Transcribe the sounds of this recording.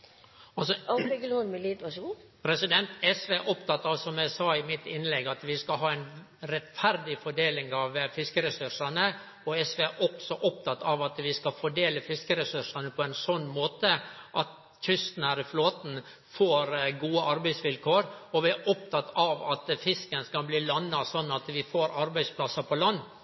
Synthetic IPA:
ɑlsɔɡəlːnmɛliːt̪ʋɑʂupʰɾɛsɪd̪ɛnt̪ɛsʋeʔɔpt̪ɑt̪ːɑʋsɔmæɪsɑːɪmɪt̪ɪnlɛɡɑt̪ʋɪskɑlɦɑːæɪn | ɾɛt̪fæɾd̪ɪfɔɖeːlɪŋɑʋefɪskəɾɛsʉʂɑnə | ɔɛsʋɛʔɔksɔʔɔpt̪ʰɑt̪ːɑʋɑt̪ʋɪskɑfɔɖeːləfɪskəɾɛsʉʂɑnəpʰɔɛnsɔnːmoːt̪əʔɑt̪ | çʏst̪n̩hæɾɪfloːt̪n̩ | foːɾɡuːəʔɑɾbæɪsʋɪlkʰoːɾɔʋɪæʔɔp̚t̪ʰɑt̪ɑʋɑt̪fɪskənskɑbliːlɑnːɑsɔnːɑt̪ʋɪfoːɾɑɾbæɪspʰlɑsɑpʰɔlɑnː

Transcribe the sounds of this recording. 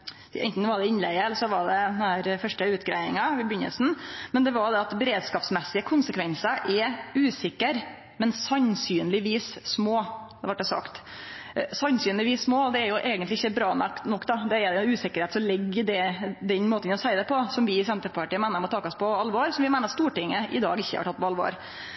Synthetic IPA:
ɛ̰ɪnt̪n̩ʋɑɖ̪ɛɪnlɛɡəɛlːsɔʋɑɖɛd̪næːɾfœʂʈəʉːt̪ɡɾæ̰ɪɪ̰ŋɑʋɪbʏnə̰lsn̩mɛnd̪ɛʋɑɾd̪ɛɑt̪bɛɾeːd̪skɑːpsmɛsːɪəkʰʊnsəkʰʋɛnsəʔɛʉːsɪkːəɾ | mɛnsɑnsyːnlɪʋiːsːmoːʋɑʈ̚d̪ɛsɑ̰kt̪ | sɑnsyːnlɪʋiːsːmoːd̪ɛɛɾjʊʔɛːɡənlɪɪçːəbɾɑːnɑknɔkːd̪ɑd̪ɛɛʊʉːsɪkːəɾheːt̪sɔmlɛɡːəɖ̪ɛd̪ɛnmoːt̪ənɔsæɪd̪ɛpʰɔsɔmʋɪsɛnt̪əɾpɑʈiːəmæɪnəɾmɔt̪ʰɑːkɔspɔɑlʋoɾsɔmʋɪmæɪnəɑst̪uːʈɪŋːəʔɪ̰d̪ɑ̰ːɡɪçːə̰hɑ̰ʈʰɑt̪ːpɔɑlʋo̰ːɾ

